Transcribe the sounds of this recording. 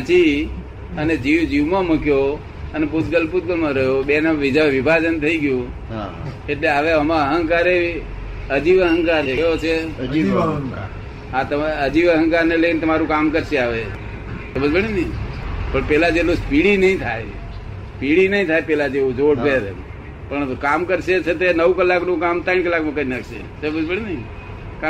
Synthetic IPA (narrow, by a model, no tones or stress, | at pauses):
t͡ʃi | əned͡ʒiʋd͡ʒiʋmãmukjo | əneput̪ɡəlput̪̚ɡəlmãɾəɦjobenaʋid͡ʒaʋʋibʱad͡ʒənt̪ʰəiɡjũ | eʈleaʋeəmãəɦə̃ŋkaɾei | əd͡ʒiʋəɦəŋkaɾejot͡ʃʰe | ɦãt̪əəd͡ʒiʋəɦə̃ŋkaɾnelenet̪əmaɾũkamkəɾʃeaʋe | t̪obəd͡ʒbəɽenəpəɳpelad͡ʒelospiɽinəĩt̪ʰaj | spiɽinəɦĩt̪ʰajpɛlad͡ʒeũd͡ʒoɽpeɾ | pəɳkamkəɾʃet͡ʃʰet̪enəwkəlːaknũkamt̪aiɳ̃kəlːakmãkəinakʰʃḛt̪obəd͡ʒbəɽinəĩ | ka